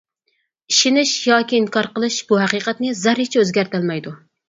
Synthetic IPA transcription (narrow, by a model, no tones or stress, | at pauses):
iʃinɪʃjɑːkʲiːnkʰɑɾqəlˠɨʃb̥uɦæqiːqɛt̪nɨzæɾit͡ʃʰɛøzɡʲæɾt̪ælmɛjd̪u